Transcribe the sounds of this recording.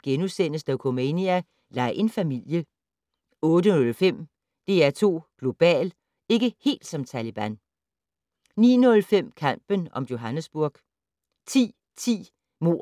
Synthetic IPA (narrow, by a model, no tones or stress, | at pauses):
ɡ̥enusenəsd̥æʊkʰomeniæ | lɑ̈ɪʔe̝nfæmil̰jə | ɔ̽ːdənɔ̽lfem̰ | d̥e̝æɐt͡sʰo̝̰ːɡ̥lo̝b̥ɛ̰ːl | e̝ɡ̥əhe̝̰ːld̥sɒ̽mt͡sʰælib̥æn | nḭːnɔ̽lfem̰kʰɑm̰b̥ənɒ̽mjo̝ɦænəsb̥uɐɡ̥ | t͡sʰḭː | t͡sʰḭː | mo̝̰ː